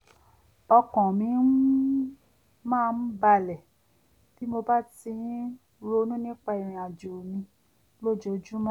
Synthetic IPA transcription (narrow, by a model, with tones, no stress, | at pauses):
ɔ˧kɔ̃˨mĩ˧n̩˦ | mãː˦˧n̩˦ba˧lɛ˨ | ti˨˦mo˧ba˦ti˧˦ | ɾo˦˧˦nũ˦nĩ˦k͡pa˧i˨ɾ̃ĩ˧a˨d͡ʒo˨mĩ˧ | lo˦d͡ʒo˧d͡ʒu˦mã˦